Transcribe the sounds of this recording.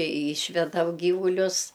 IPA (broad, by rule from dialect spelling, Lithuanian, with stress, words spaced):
ɪ ˈiːʃʲʋʲɛdɐm ˈɡʲiːʋʊlʲʊs